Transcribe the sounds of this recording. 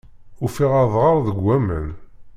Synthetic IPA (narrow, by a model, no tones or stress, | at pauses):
ʊfiʁaðˤʁəɾˤðəɡʷːæmən